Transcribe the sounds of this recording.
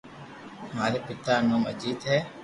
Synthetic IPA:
maːɾeːpɪt̪aːnoːməd͡ʒiːd̪ɦɛː

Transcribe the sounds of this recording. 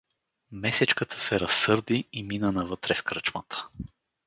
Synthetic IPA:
mɛsɛt͡ʃkət̪ʰə̥sɛɾɐsːɤɾd̪iiminənɐvɤt̪ɾɛfkɾət͡ʃmət̪ə̥

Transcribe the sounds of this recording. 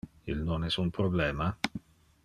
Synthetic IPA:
ilnonɛsunpɾoblɛːma

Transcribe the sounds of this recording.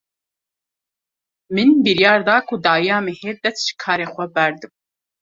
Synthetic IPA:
mɨnbiɾjɑːɾd̪ɑːkʰʊd̪ɑːjɑːmeheːd̪ɛst̪ʒi̥kʰɑːɾeːxʷɛbɛɾd̪ɨb̚

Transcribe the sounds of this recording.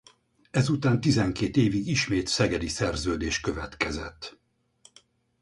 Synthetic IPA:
ɛzut̪aːnt̪izɛŋkeːt̪eːviɡiʃmeːt̪sɛɡɛd̪isɛrzøːd̪eːʃkø̞vɛt̪kɛzɛt̪ː

